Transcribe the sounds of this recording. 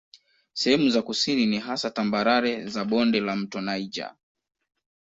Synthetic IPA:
sɛhɛmuzakusininiɦasatambaɾaɾɛzaɓɔndɛlam̩tɔnaid͡ʒa̰

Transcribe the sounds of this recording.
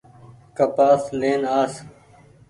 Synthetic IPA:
kɐpaːsleːnaːs

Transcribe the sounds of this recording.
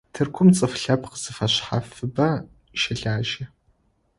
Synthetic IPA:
tʰɨrkʷʰʊmt͡sʼɨfɬɐpʰqəz̥ɨfɐɕħafɨbɐ | ʃɐɮaːʒɐ

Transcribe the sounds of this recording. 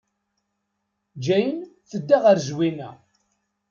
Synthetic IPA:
d͡ʒæjənθəd̪ːaʁəɾzwinæ

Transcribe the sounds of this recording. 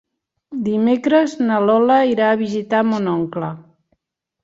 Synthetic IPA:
d̪imekɾəznalɔlaiɾaːβizit̪amonɔŋkla

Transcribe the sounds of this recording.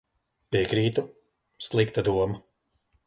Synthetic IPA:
piɛkɾiːt̪u | slˠikt̪ad̪uɔma

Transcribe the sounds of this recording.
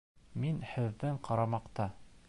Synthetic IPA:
minhɘ̆ðːɘɴqʰɑɾɑmɑqt̪ɑ

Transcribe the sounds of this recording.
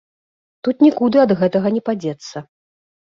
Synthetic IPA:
t̪ut̪nʲikud̪ɨɐd̪ɣɛt̪ɐɣɐnʲɛpad͡zʲɛt̪sːɐ

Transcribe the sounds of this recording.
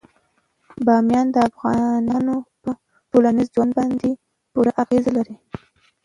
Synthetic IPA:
bɑmjɑnd̪əafɣɑnɑnopə | ʈolanizzwand̪bɑnd̪e | puɾaʔaɣezalaɾi

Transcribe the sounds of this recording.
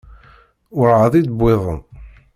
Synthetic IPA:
ʊɾʕəðˤid̪əbːɪðˤə̰m

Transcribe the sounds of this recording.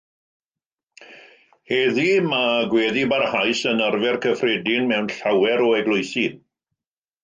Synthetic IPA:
hɛːðimaɡweːðibarhajsənərvɛrkʰəfrɛdɪnmɛwnɬawɛɾɔɛɡlʊjθin

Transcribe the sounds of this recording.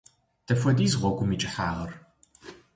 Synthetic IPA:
d̥ʰɐfʷɐdiːzʁʷɔɡʷʊmiːt͡ʃʼɪħaːʁɐr

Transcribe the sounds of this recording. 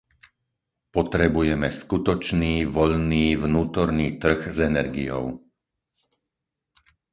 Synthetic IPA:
pɔt̪ɾɛbujɛmɛskut̪ɔt͡ʃniːʋɔʎniːvnuːt̪ɔɾniːt̪r̩ɣzɛnɛɾɡḭjɔ̰ʊ

